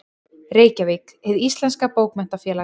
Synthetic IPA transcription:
reːjcavik | ɛðist̪lɛnskapoːwkmɛn̥t̪afjɛːla

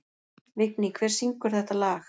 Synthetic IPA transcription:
vɪknikʰvɛːɾ̥siŋkʏɾ̥θɛht̪alaːx

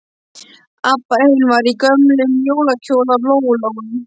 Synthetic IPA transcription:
apːaɾejnvaɾikœmlʏmjoːwlacʰowlalowloɣnɪ

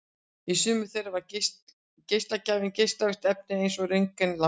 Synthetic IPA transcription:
isʏːmʏθejɾavaɾcs | cejst̪lacaːvɪncejst̪lavɪst̪ɛp̚nɪejnsɔɣreŋkɛnla

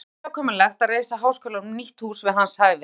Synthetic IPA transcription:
awkʰɔːmɪnlɛxt̪aɾeːjsaɦaːwskœːlanʏmniht̪huːsvɪðɦanshaːjvɪ

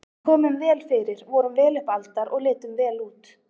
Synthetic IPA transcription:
kʰɔːmʏmvɛːlfɪɾɪɾ̥vɔɾʏmvɛːlʏhpalt̪aɾʔɔɣlɪːt̪ʏmvɛːluːt̪

